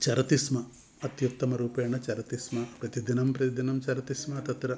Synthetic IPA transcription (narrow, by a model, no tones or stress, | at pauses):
t͡ʃɐɾɐt̪ismɐ | ɐt̪jut̪ːɐmɐɾuːpɐːɐɳɐt͡ʃɐɾɐt̪ismɐpɾɐt̪id̪inɐmpɾɐt̪id̪inɐmt͡ʃɐɾɐt̪ismɐt̪ɐt̪ɾɐ